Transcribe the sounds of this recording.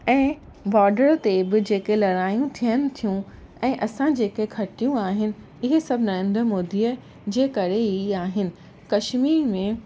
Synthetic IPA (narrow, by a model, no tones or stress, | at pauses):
ɛ̃ː | bɔːɖəɾt̪ebɪd͡ʑeːkelɐɾaːjũt̪ʰijənɪ̆t̪ʰijũ | ɛ̃ːʔɐsãd͡ʑeːkekʰɐʈijũaːɦɪnɪ̆ | ɪɦesɐbʱɪnɐɾẽnd̪ɾmoːd̪iːə | d͡ʑeːkɐɾeiaːɦɪnɪ̆ | kɐʃmiːɾmẽ